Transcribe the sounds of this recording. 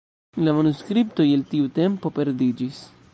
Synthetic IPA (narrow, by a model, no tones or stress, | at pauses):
lamanuskɾipto̞jeltiute̞mpo̞pe̞ɾdid͡ʒis